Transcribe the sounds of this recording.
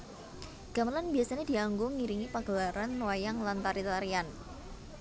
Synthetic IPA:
ɡ̥amalanbiasanadiaŋɡʊŋiɾiŋipaɡ̥əlaɾanːwajaŋlant̪aɾit̪aɾian

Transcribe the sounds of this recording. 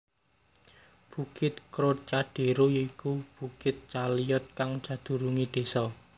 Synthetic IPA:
b̥ukɪt̪̚kɾot͡ʃaɖ̥e̤ɾojoikub̥ukɪt̪̚t͡ʃalijɔt̪̚kaŋ̥ʒ̥ä̤d̪̥ṳɾuŋid̪̥e̤sɔ

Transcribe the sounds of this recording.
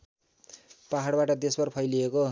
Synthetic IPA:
paɦaɽbaʈʌd̪esbʌrpʰʌjlieko

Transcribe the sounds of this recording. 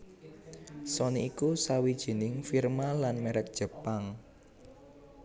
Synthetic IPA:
sɔniikusawid̥ʒ̥i̤nɪŋfirmalanmɛɾɛk̚d̥ʒ̥ə̤paŋ

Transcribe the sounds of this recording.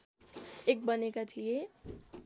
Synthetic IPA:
ek̚bʌnekat̪ʰije

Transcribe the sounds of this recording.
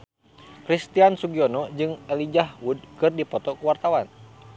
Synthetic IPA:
kɾist̪iansuɡiɔnɔd͡ʒɨŋɛlid͡ʒaɦwud̚kɨrdipɔt̪ɔkuwart̪awan

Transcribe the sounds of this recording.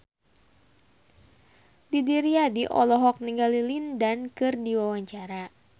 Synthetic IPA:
didiɾiadiʔɔ̰lɔɦɔk̚niŋɡalilindankɨrdiwawaɲt͡ʃaɾa

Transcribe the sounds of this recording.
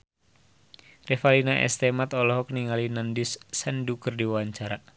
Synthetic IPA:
rɛfalinaʔɛ̰st̪ɛmat̪ɔlɔɦɔk̚niŋalinandisːɛndukərdiwaaɲt͡ʃaɾa

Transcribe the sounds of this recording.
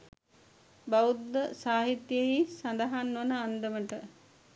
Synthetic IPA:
baud̪ːəsaːɦit̪jəɦisɐnd̪əɦanːʋənəand̪əməʈə

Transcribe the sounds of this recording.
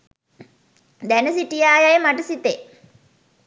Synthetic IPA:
d̪ænəsiʈijaːjajemaʈusit̪e

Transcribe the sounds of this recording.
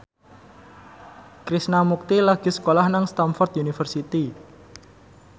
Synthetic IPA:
kɾisnamuk̚t̪ilaɡ̥i̤sə̥kolahnaŋst̪amfɔrt̪ʔunifərsit̪i

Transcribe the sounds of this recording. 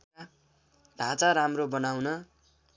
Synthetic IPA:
d̪ʱãt͡saɾamrobʌnawnʌ

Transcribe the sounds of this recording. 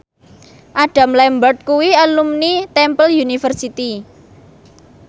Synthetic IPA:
ʔaɖ̥ä̤mlɛmbərt̪̚kuwiəlumnit̪ɛmpəljunifərsit̪i

